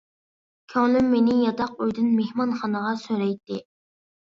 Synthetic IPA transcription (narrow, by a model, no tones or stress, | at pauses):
kʲʰøŋlɪmːenɪjɑt̪ʰɑqyjd̪ɨnmehmɑnχɑnəʁɑsøɾɛjt̪ːɪ